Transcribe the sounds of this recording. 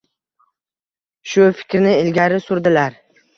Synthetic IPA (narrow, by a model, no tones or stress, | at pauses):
ʃʊfɪ̥kʲɾnɪɪlɡʲaɾɪsʊɾd̪ɪlaɾ